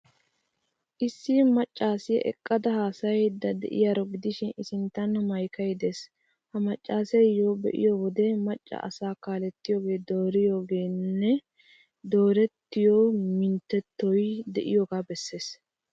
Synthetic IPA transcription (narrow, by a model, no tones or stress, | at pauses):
ʔɪsːimɐt͡ʃʼːaːsɪjɛ̰ʔɛ̰kʼːɐd̪ɐhaːsɐjɛd̪ɐd̪ɛ̰ʔɪ̰jaːɾɔɡɪd̪ɪʃɪnɪsɪnt̪ːɐnmɐjkɐjd̪eːs | hɐmɐt͡ʃʼːaːsɐjjoːbɛ̰ʔɪ̰jowɔd̪ɛmɐt͡ʃʼːɐ̰ʔɐ̰saːkaːlɛt̪ːɪjoːɡe̞ːd̪o̞ːɾɪjoːɡe̞ːnːɛ | d̪o̞ːɾɛt̪ːɪjomɪnt̪ːɛt̪ːɔjd̪ɛʔɪjoːɡaːbɛsːe̞ːs